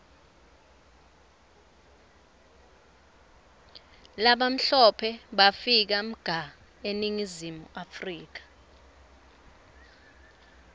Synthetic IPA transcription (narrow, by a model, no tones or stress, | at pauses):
laɓam̩ɬɔpʰɛɓafik̬am̩ɡ̥ʱa | eniŋizimuafriːk̬ḁ